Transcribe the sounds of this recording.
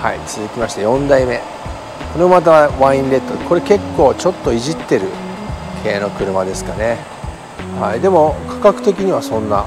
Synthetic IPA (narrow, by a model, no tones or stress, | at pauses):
ha̰it͡sɨzɨkʲimaɕi̥t̪ejõ̞nd̪aime̞ | koɾeomat̪̬aβãĩnɾe̞t̪ːoko̞ɾe̞ke̞kːo̞ːt͡ɕo̞t̪ːo̞iʑit̪ːe̞ɾɯ̟̰ | kʰe̞ːno̞kɯ̟ɾɯ̟mad̪e̞sɨ̥kane̞ | haid̪e̞mo̞kḁkakɯ̟̥t̪e̞kʲiɲ̟iβasõ̞nːa